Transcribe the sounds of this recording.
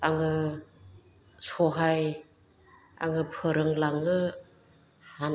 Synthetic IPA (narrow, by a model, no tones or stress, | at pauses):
aŋɯ | sɔɦaj | a̰ŋɯpʰɯɾɯŋlaŋɯ | han